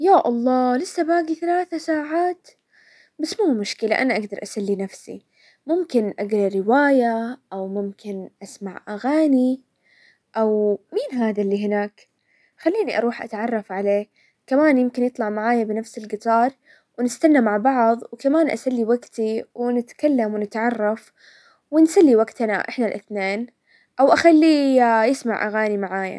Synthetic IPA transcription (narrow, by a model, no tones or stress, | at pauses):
jaːʔɑlˤːɑːlɪsːabaːɡiθalaːθasaːʕaːt̪ | basmuːmʊʃkɪla̰ʔanaʔaɡd̪ɑɾˤʔasalːinafsḭ | mʊmkɪnʔaɡlɑɾɪwaːjaʔawmʊmkɪnʔasmaʕʔaɣaːni | ʔawmiːnɦaːðalːiːɦɪnaːk | xalːiːniʔɑ̰ɾˤuːħʔa̰t̪ʕɑrˤːɑfʕaleː | kamaːnjɪmkɪnjɨt̪ˤlɑʕmaʕaːjabɪnafsɪlɡɪt̪ˤɑːɾˤ | wnɪst̪anːamaʕbɑʕðˤwkamaːnʔa̰salːiwaɡt̪iwɪnɪt̪kalːamwɪnɪt̪ʕɑrˤːɑf | wɪnsalːiwaɡt̪ana̰ʔɪħnalʔɪθneːn | ʔawʔaxalːijɪsmaʕʔa̰ɣaːnimaʕaːja̰